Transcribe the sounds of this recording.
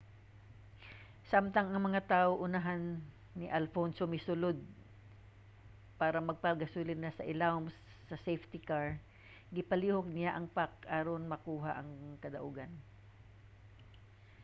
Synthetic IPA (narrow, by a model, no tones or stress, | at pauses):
samt̪ɐŋɐŋmɐŋat̪aːʔoʔʊnaɦanː | ɪʔalfonsʊmɪsʊlod̪̚ | paːɾɐmɐɡ̚pɐɡɐsuːlɪd̪nasɐʔɪlawmsː | ɐsɛjft̪ɪkaɹ | ɡɪpɐliːhok̚nɪaʔɐŋpak̚ʔaːɾonmɐkuːɦaʔɐŋkɐd̪ɐʔuːɡɐn